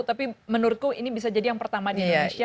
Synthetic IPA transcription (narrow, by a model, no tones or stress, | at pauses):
t̪apimənurkuinibis̬ad͡ʒadijaŋpərt̪amadidonesia